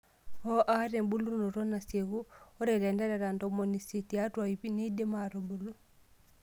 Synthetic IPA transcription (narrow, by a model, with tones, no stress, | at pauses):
ɔ˦ʔa˦ɾe˨mbu˦lu˦no˨ɾɔ˦na˨se˨ɣu˦ɔ˦ɾɛ˨lɛ˨nda˦ɾa˨ɾa˨ndɔ˨mo˨ni˨se˨ti˨a˦twa˨i˨pi˦ni˦de˦ma˨ɾo˨mbu˨lu˦